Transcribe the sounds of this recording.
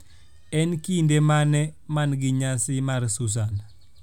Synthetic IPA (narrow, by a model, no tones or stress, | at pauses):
ɛnkindemanemanɡiɲasimaɾsus̬an